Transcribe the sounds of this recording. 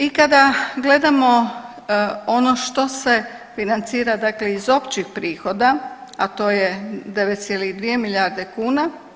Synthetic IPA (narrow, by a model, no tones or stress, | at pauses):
ikad̪aɡle̞d̪amo | o̞no̞ʃt̪o̞se̞ | finant̪siːɾad̪akle̞izo̞pt͡ʃixpɾiːxo̞d̪aat̪o̞ːjed̪e̞ʋet̪sʲjeliɣd̪ʋiemiljaɾd̪e̞kuːna